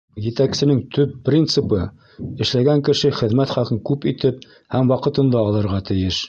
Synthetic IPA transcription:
jɘ̆t̪æksɘ̆nɘŋt̪ʰɵpːrʲint̪sɨpɤ | ɘ̆ʃlæɡæŋkɘ̆ʃɘχɘ̆ðmæt̪χɑlqɤŋkʉpit̪ɘp̚ | hæmwɑqɤ̆t̪ɤ̆nd̪ɑːlˠɤ̆ɾʁɑt̪ɘ̆jɘʃ

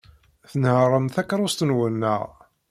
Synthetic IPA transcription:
θnəhrˤəmθækːɾˤʊst̪ənwənːə̰ʁ

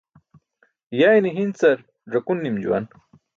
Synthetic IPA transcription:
jajniɦint͡sɐɾ | ʐɐkunːimd͡ʑṵwa̰n

